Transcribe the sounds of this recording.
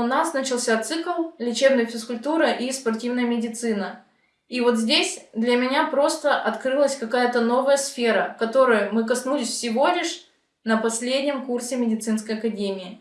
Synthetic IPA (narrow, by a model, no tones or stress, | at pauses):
ʊnasnət͡ɕɪlˠsʲat̪sɨklˠlʲɪt͡ɕe̞bnəjəfʲɪskʊlʲt̪uɾəʔispɐrtʲivnəjəmʲɪdʲɪt̪sɨnə | ivo̞t̪zʲdʲesʲd̪lʲəmʲɪnʲapɾo̞st̪əʔɐt̪kɾɨlˠəsʲkɐkajət̪əno̞vəjəsfʲeɾəkɐt̪o̞ɾʊjəmɨkɐsnulʲɪsʲfsʲɪvo̞lʲɪʂ | nəpɐsʲlʲedʲnʲɪmkursʲɪmʲɪdʲɪt̪sɨnskəjɐkɐdʲemʲɪɪ